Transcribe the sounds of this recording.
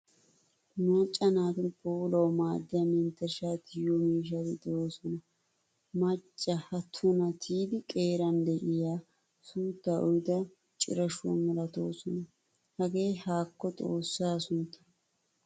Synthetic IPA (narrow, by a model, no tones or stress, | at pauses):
mat͡ʃʼːɐnaːt̪ɪpoːlɐwmaːd̪ːɪjɐmɛnt̪ːɛʃaːt̪ɪjɔmiːʃ̬ɐt̪ɪd̪ooːsɔnɐ | mɐt͡ʃʼːɐhɐt̪ʰːɔnɐt̪ʰiːd̪ɪkʼeːɾɐnd̪ɛʔɪjaː | suːt̪ːaʔɔjd̪ɐ | t͡ʃʼɪ̰ɾɐʃʊwɐ̰mɛlɐt̪o̞ːsɔnɐ | hɐɡe̞ːhaːkːɔt̪ʼo̞ːsːaːsʊnt̪ʰːɐ̥